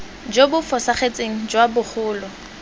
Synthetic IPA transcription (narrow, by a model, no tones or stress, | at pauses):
d͡ʒobʊfɔsaχet͡sʼeŋ̩d͡ʒwabʊχʰʊːlɔ